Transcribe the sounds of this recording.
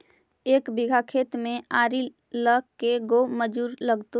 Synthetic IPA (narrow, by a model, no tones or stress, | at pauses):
eːkbɪɡʱakʰeːt̪mẽaːɾi | ləkkːeɡoməd͡ʒuːɾləɡt̪o